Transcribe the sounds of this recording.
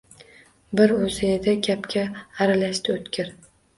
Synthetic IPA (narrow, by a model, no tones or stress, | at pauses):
bɪɾɵzɪːd̪akʲʰapkʲaːɾalaʃt̪ɪot̪kʲʰɪɾ